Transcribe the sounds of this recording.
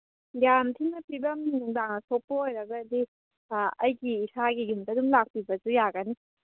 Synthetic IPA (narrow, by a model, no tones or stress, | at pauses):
jamtʰiŋnɐpibɐmnuŋdaŋnɐsʰok̚pɐojɾɐɡɐd̪i | ɐjɡiːsʰaɡiɡumtɐdumlak̚pibɐd͡ʒujaɡɐni